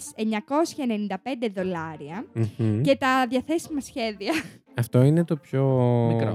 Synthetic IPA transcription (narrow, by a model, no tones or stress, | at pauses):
se̞ɲɐko̞sçɐene̞nind̪ɐpe̞nd̪e̞ðo̞lɐɾiɐm̩ce̞t̪ɐðjɐθe̞simɐsçe̞ðiɐ | ɐft̪o̞inet̪o̞pçoi